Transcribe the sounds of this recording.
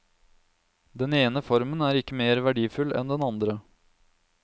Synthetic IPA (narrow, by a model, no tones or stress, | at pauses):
d̪ɛneːnəfɔɾmənæːɾɪkːəmeːɾʋæɖiːfʉlɛ̰nd̪ɛnɑnd̪ɾə